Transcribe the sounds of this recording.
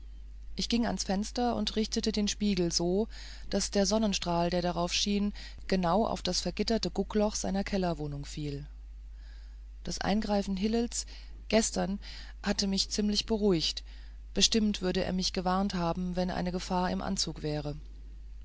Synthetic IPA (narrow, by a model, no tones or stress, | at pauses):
ʔɪçɡ̥ɪŋa̰nsfɛnstɐʊ̰ntʁɪçtətədeːnʃpiːɡl̩zoː | d̥asd̥eːɐzɔnənʃtʁ̥aːldeːɐdaʁ̞aʊfʃiːn | ɡ̥ənaʊʔa̰ʊfd̥asfɛɐɡɪtɐtəɡʊklɔχz̥aɪnɐkʰɛlɐvoːnʊŋfiːl | d̥asʔa̰ɪnɡʁaɪfn̩ɦɪlɪls | ɡ̥ɛstɐn | hatəmɪçt͡siːmlɪçb̥əʁ̞uɪçt | b̥əʃtɪmtv̥ʏɐɾəʔḛːɐmɪçɡ̥əvaɐnthaːbm̩vɛnʔa̰ɪnəɡəfaːɐɪ̰mʔa̰nt͡suːkv̥ɛːʁ̞ə